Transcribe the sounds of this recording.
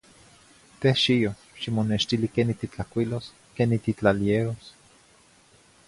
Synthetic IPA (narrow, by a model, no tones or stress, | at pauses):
t̪ehʃijo | ʃimoneʃt̪ilikenit̪it͡ɬakwʷilos | kenit̪it͡ɬalieɾos